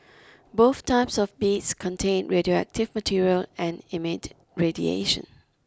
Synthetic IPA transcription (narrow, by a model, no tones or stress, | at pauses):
boθtʰaɪpsɔvbitskʰɔ̃ntʰẽnɹedioæ̰k̚tɪvmətʰiɹiəlɛ̃nɪmɪd | ɹedḭḛʃə̰̃n